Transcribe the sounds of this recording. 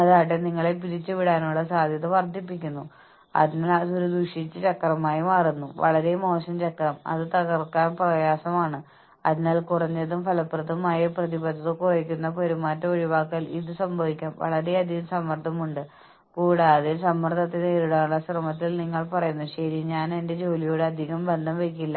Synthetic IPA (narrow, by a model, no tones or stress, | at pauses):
ɐðaːjiʈ̬ːeniŋːɐɭepiɾit͡ɕːɨʋiɽaːnuːɭɐsaːd̪ʱjɐðɐʋɐrd̪ʱipːikʲːunːu | ɐ̰ðinaːlasuoɾud̪uʂit͡ɕːɨt͡ɕɐkːrɐmaːjimaːrunːuʋɐ̰ɭɐɾe̞mo̞ːɕɐmt͡ɕɐkːɐrɐmɐ̰ðɨt̪ɐɣɐrkaːnprɐjaːsɐmaːɳɨ | ɐ̰ðinaːlkurɐɲːeðumfɐlɐprɐd̪ɐmaːjɐprɐðibɐd̪ʱːɐðɨkurekʲːunːɐpo̞ɾumaːtːɐo̞ɻiʋaːkːɐliðɨsɐmbʱɐʋikʲːaːmʋɐ̰ɭɐɾe̞ɐd̪ʱiɣɐmsɐmːɐrd̪ʰʱɐmuɳɖɨ | kuːɽaːðesɐmːɐrt̪ʰɐt̪ːeneːɾuɽaːnuɭːɐsrɐmɐt̪̬ːilniŋːɐɭpɐrɐjunːuɕɐɾiɲaːne̞nde̞d͡ʑo̞ːlijo̞ːɽɨɐd̪ʱiɣɐmbe̞nd̪ʱɐmʋekʲːilːɐ